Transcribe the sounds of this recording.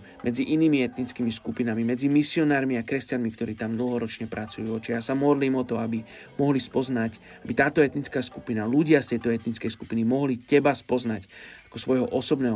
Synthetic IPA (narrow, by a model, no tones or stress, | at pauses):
mʔɛd͡ziʔiniːmiɛt̪nit͡skiːmiskupinamimɛd͡zimisiɔnaːɾmiakɾɛscanmikt̪ɔɾiːt̪amd̪l̩ɦɔɾɔt͡ʃɲɛpɾʔat͡sujuɔt͡ʃɛjaːsamɔd̪liːmɔt̪ɔabi | mɔɦlispɔzna | abit̪aːt̪ɔɛt̪nit͡skaːsku̥pinaluɟɪast̪ɛjt̪ɔɛt̪nit͡skɛjsku̥pinimɔɦlicɛbaspɔznacakɔsʋɔjɦɔʔɔsɔbnɛːɦɔ